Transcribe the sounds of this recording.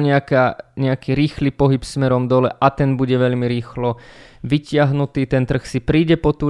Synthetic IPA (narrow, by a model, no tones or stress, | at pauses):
ɲɛakaːɲɛakiːɾiːxliːpɔɦipsmɛɾɔmd̪ɔlɛ̰ʔat̪ɛnbuɟɛʋɛʎmiɾiːxlɔ | ʋicɪaɦnut̪iːt̪ɛnt̪r̩xsipɾiːɟɛpɔt̪uː